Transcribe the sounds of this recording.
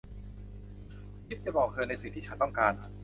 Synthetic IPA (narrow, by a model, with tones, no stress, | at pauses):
kʰi˦˥t̪̚t͡ɕa˨˩bɔː˨˩kʰːɤː˧jna˧jsiː˨˩t̪ʰiː˥˩a˦˥nt̪ɔ˥˩ŋkaː˧n